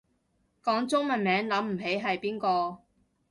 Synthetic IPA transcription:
kɔː˨˥ŋt͡sʊ˥ŋmɐ˨nmɛː˨˥ŋlɐ˨˥mm̩˨˩ɦe˨˥jɦɐ˨jpiː˥nkɔː˧

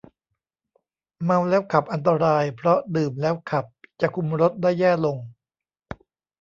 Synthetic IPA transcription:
ma˧wlɛː˦˥wkʰa˨˩p̚ʔa˧nt̪̬a˧ɾaː˧jpʰɾɔ˦˥dɯː˨˩mlɛː˦˥wkʰa˨˩p̚t͡ɕa˨˩kʰu˧mɾo˦˥t̪̚daː˥˩jːɛː˥˩lo˧ŋ

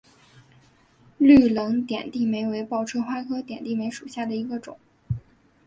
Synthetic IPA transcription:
ly˥˩lɤ˧˥ŋt̪jɛ̰˨˩nt̪i˥˩me˧˥ɪwe˧˥ɪpɑ˥˩ʊʈ͡ʂʰɤ˥xwa˥kʰɤ˥t̪jɛ˨˩nt̪i˥˩me˧˥ɪʂu˨˩ɕja˥˩d̪ə˩i˧˥ɡə˧ʈ͡ʂʊ̰˨˩˦ŋ

